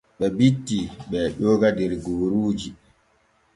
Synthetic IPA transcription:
ɓɛbitːiɓɛɗɔːɡadɛɾɡoːɾuːd͡ʒi

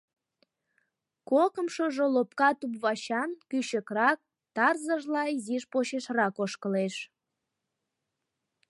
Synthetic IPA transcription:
kokəmʃoʒolopkɑt̪upβɑɕɑnkyɕəkrɑk̚ | t̪ɑrzəʒlɑiziʃpoɕeʃrɑkoʃkəleʃ

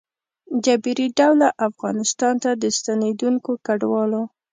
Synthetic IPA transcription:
d͡ʒabiɾiɖawlaʔafɣɑnɪst̪ɑnt̪ad̪əst̪aned̪uŋkokaɖwɑlo

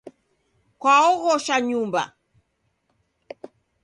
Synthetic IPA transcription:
kwaɔɣɔʃaɲumba̰

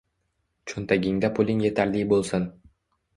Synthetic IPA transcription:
t͡ʃʰʊnt̪ʰaɡʲɪŋd̪apʰʊlʲɪŋje̞t̪ʰaɾlɪjbolˠsɪn

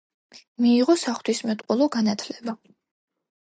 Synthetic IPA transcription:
miːʁɔsaχt̪ʰwismɛt̪ʼqʼulˠɔɡanat̪ʰlɛba

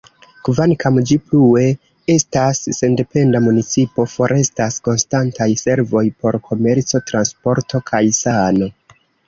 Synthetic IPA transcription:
kvankamd͡ʒiplue̞ | e̞stasːe̞nde̞pe̞ndamunit͡sipo̞fo̞ɾʔe̞stasko̞nstantajse̞ɾvo̞jpo̞ɾkʰo̞me̞ɾt͡so̞tɾanspo̞ɾtʰo̞kʰajsano̞

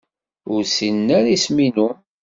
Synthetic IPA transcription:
ʊɾsinːæɾisminu

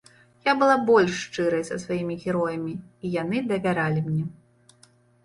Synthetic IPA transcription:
jabɨlˠabɔlʲʂːt͡ʂɨɾɐjsɐsvajimʲiɣʲɛɾɔjɐmʲiːjanɨd̪ɐvʲaɾalʲimnʲɛ

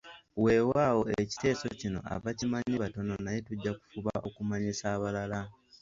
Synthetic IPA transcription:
we̞ːwaːwo̞eci̥te̞ːso̞cino̞̰ʔa̰βacimaɲiβato̞no̞naje̞tuɟːaku̥fuβaʔo̞kumaɲisaːβalala

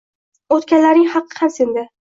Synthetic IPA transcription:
ot̪kʲanlaɾnɪŋhɑqʰːɨ̥hamsend̪ɪ

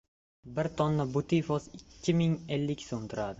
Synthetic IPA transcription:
bɪɾt̪ʰɒnːabʊt̪ʰifɒsɪkkʲʰːɪmɪŋelːɪkʲsoʊnt̪ʰɪɾad̪ɪ

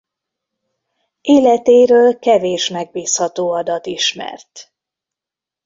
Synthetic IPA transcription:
ʔeːlɛt̪eːɾøːlkɛveːʃmɛɡ̚biːshɒt̪oːɒd̪ɒt̪iʃmɛ̰rt̪

